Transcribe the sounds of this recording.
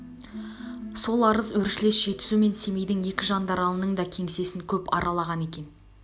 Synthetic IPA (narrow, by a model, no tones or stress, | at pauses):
so̞lˠɑɾəzwɵɾʃɪle̞sʒ̥e̞t̪ɪ̥sume̞nse̞me̞jd̪ɪŋje̞kʲɪʒɑnd̪ɑɾɑlˠənəɴd̪ɑkʲʰe̞ŋse̞sɪŋkʲʰɵpɑ̰ɾʔɑlˠɑʁɑne̞kʲe̞n